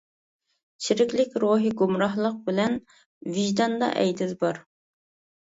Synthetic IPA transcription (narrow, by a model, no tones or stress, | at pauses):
t͡ʃʰiɾɪkʲlɪkʲɾoɦiɡumɾɑɦlˠəq̚bɪlɛn | viʒd̪ɑnd̪ɑ̰ʔɛjd̪ɪzbɑɾ